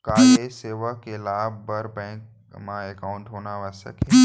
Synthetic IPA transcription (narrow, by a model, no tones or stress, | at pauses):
kaːɦeseːʋəkelaːb̚bɐɾbɛ̃ːk̚ | mãekaːʊ̃ɳʈɦoːnaʋəsə̰kɦɛ